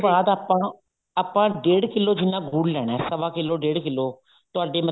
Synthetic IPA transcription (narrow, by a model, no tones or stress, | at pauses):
baːd̪aːpãː | aːpãːɖeːɽkɪlːoːd͡ʒɪnːãːɡʱuːɽlɛːɽ̃aːsəʋaːkɪlːoːɖeːɽkɪlːoː | t̪ʊaːɖeːmə